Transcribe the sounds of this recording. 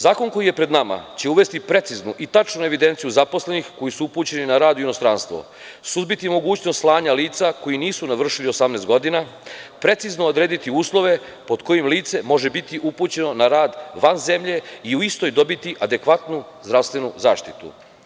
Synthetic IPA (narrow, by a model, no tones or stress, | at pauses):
zaːko̞nko̞jijepɾe̞d̪nama̰t͡ɕe̞uʋe̞st̪ipɾe̞t̪siznuʔit̪at͡ʃnue̞ʋid̪e̞ːnt̪sijuzapo̞sle̞nixko̞jisuupuːt͡ɕe̞ninaɾaːd̪uino̞st̪ɾanst̪ʋo̰ | suzbit̪imo̞ɡuːt͡ɕnost̪slˠaːɲaliːt̪sako̞jiniːsunaʋr̩ʃilio̞samneːst̪ɡo̞d̪ina | pɾe̞t̪siznood̪ɾeːd̪it̪iuːslˠo̞ʋe̞ | po̞d̪ko̞jimliːt̪se̞mo̞ʒebit̪iʔupuːt͡ɕe̞no̞naɾaːd̪ʋanze̞mʎe̞iuist̪ojd̪o̞bit̪iʔad̪e̞kʋat̪nu | zd̪ɾaʋst̪ʋe̞nuza̰ːʃt̪it̪ṵ